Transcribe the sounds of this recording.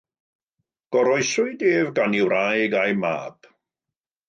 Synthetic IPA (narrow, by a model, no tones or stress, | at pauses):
ɡ̥ɔɾɔjsʊɨdeːvɡaniwɾajɡajma̰ːb̥